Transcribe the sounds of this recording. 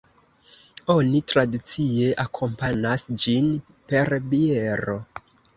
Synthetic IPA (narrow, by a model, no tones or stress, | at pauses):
o̞nitɾadit͡sie̞ʔakʰo̞mpanasd͡ʒin | pe̞ɾbie̞ɾo̞